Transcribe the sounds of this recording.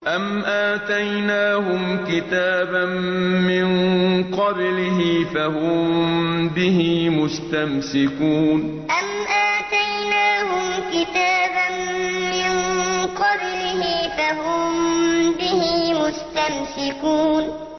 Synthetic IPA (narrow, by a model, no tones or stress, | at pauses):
ʔamʔaːt̪ajnaːhʊmkɪt̪aːbanmːɪnqɑblɪɦɪfahʊmbɪhɪmʊst̪amsɪkuːn | ʔamʔaːt̪ajnaːhʊmkɪt̪aːbanːɪnqɑblɪhɪfaɦʊmbɪhɪmʊst̪amsɪkuːn